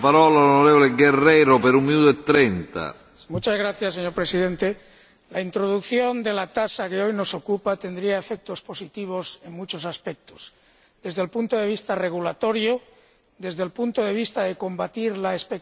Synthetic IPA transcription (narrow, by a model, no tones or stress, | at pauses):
paɾɔlalonoɾevoleɡereɾopeɾumːinut̪oet̪ːɾent̪a̰ | mut͡ʃazɣɾaθjasːeɲo̞ɾpɾe̞siðe̞nt̪e | laint̪ɾoð̞ukθjo̞nd̪e̞lat̪asakeo̞jno̞so̞kupat̪e̞nd̪ɾiae̞fek̚t̪o̞spo̞sit̪iβ̞o̞se̞ŋmut͡ʃo̞saspek̚t̪o̥s | d̪e̞zðelpunt̪o̞ðe̞βist̪are̞ɣ̞ulat̪o̞ɾjo | ðe̞zðelpunt̪oðe̞β̞ist̪aðe̞ko̞mbat̪iɾlaespek